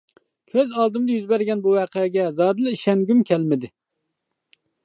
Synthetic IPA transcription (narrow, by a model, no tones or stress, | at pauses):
kʲʰøzɑlˠd̪ɨmd̪ɨjyzbæɾɡʲɛnbuwɛːqʰəɡʲɛzɑːd̪ɨlˠɪiʃɛŋɡʲymkʲʰɛlmɪd̪ɪ